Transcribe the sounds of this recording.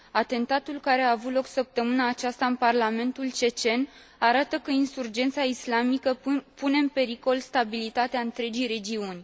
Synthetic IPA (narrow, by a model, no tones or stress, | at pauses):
at̪e̞nt̪at̪ulkaɾe̞aːvut̪lo̞ksəp̚t̪əmɨnaːt͡ʃast̪aɨnparlame̞nt̪ult͡ʃe̞t͡ʃe̞n | aɾat̪əkəinsurd͡ʒe̞nt̪saislamikəpune̞ɨnpe̞ɾiko̞lst̪abilit̪at̪eaɨnt̪ɾe̞d͡ʒijɾe̞d͡ʒiunʲ